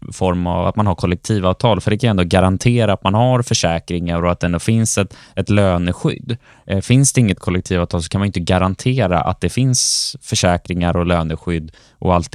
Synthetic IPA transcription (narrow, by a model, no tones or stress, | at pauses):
fɔɾma̰va̰t̪manhaɾkʰɔlːɛk̚t̪ʰiːvɑːvt̪ʰɑːlfœɖɛkʰanɛnd̪oːɡaɾant̪ʰeːɾaːt̪manhaɾfœʂɛːkɾɪŋaɾɔat̪̚d̪ɛɛnd̪oːfɪnsɛt̪ɛt̪løːnəɧʏ̰d̪ː | fɪnsd̪ɛɪŋːət̪kʰɔlːɛkt̪ʰiːvaːvt̪ʰɑːls̬ɔ̥kʰanmanjʏnt̪əɡaɾant̪ʰeːɾa̰ʔa̰t̪̚d̪ɛfɪnsfœʂɛːkɾɪŋaɾɔløːnəɧʏd̪ː | ʔɔ̰alt̪